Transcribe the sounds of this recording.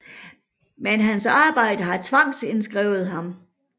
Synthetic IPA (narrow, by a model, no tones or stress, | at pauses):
menɦænsɑ̈ːb̥ɑ̈ɪ̰d̥əɦɑ̈t͡sʰʋɑ̈ŋ̰sensɡ̥ʁɛ̰ʊð̩ˠɦɑ̈m